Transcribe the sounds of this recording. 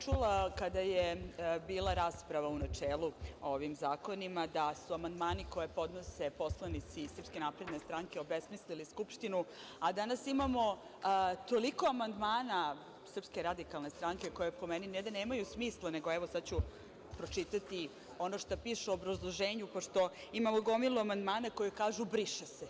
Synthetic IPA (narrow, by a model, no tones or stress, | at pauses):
t͡ʃulˠakad̪ajebiːlˠaɾaːspɾaʋaunat͡ʂeːlˠuo̞ʋimzaːko̞nimad̪asuamand̪maːniko̞je̞po̞d̪no̞se̞po̞slˠanit̪sisr̩pske̞napɾe̞d̪ne̞st̪ɾaŋke̞o̞besmisliliskupʃt̪inu | ad̪anasimamo̞ | t̪o̞liko̞amand̪maːna | sr̩pskeɾad̪ikalˠne̞st̪ɾaŋkeko̞jepo̞meninɛd̪aneːmajusmiːslˠane̞ɡoɛʋo̞sad̪̚t͡ɕu | pɾo̞t͡ʃit̪at̪i | o̞no̞ʃt̪apiːʃeooːbɾazlˠoʒeːɲupo̞ʃt̪o̞imamoɡo̞milˠuamand̪maːnakojekaːʒubɾiʃese